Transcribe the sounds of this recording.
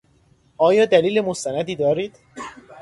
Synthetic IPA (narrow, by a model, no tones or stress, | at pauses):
ʔɒːjɒːd̪æliːle̞most̪ænæd̪iːd̪ɒːɾiːd̪̥